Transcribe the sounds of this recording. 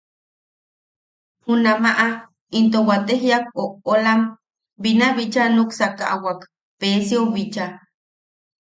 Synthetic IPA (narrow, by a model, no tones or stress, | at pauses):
hunamaʔa | int̪owat̪eɦjak̚oʔolam | binaβit͡ʃanuksakaʔawak | peːsioβit͡ʃa